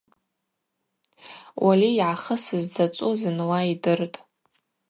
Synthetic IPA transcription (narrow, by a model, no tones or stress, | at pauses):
wʔaliːʕaχəsɨzd͡zat͡ʃʷʼuzɨnwaidɨrtʼ